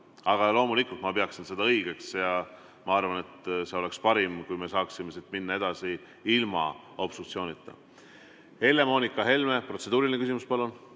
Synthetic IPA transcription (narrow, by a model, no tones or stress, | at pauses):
ɑɡ̥ɑlo̞ːmulikːˑult̪mɑpe̞ɑksinse̞d̪ɑɤjɡ̥e̞ksjɑ | mɑɑrvɑne̞t̪se̞o̞le̞kspɑɾimkujme̞sɑːksime̞sid̪minːɑe̞d̪̥ɑsi | ilmɑ̰ | opsukt̪sio̞ːnit̪ˑːɑ̰ | he̞lːe̞mo̞ːnikːˑɑɦe̞lme̞pro̞t̪se̞d̪uːɾilinekys̬imuspɑlːun